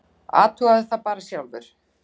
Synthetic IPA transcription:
a̰ːt̪ʰuaðɪθapaːɾasjawlvʏɾ̥

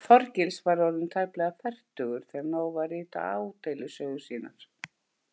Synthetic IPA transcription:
fɔɾcɪlsvaɾɔɾðʏmt̪ʰaːjplɛːɣafɛr̥t̪ʏɣʏɾ̥θɛanoːwvariːt̪a̰aːwt̪ejlʏsœːɣʏ̥siːna̰ɾ̥

